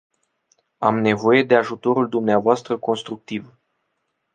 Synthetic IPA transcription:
a̰mne̞vo̞je̞d̪e̞aʒut̪o̞ɾuld̪umneavoast̪ɾəko̞nst̪ɾuk̚t̪iv

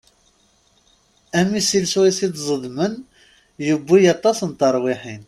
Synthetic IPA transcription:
æmisilswisid̪zˤəðˤmən | jubːijɑt̪ˤɑsənt̪əɾˤwiħin

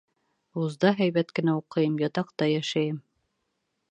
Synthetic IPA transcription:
uzd̪ɑɦæjβæt̪kɘ̆næuqɤ̆jɤmjɑt̪ɑq̚t̪ɑjæʃæjɘm

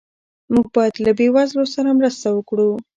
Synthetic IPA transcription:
muɡ̚bɑjad̪labewazlosaɾamɾəst̪awəkɽu

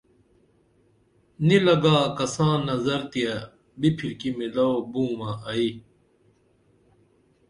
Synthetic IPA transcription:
nilɐɡaːkɐsãːnɐzɐɾt̪ia | bipʰiɾkimilɐobũːmãʔɐi

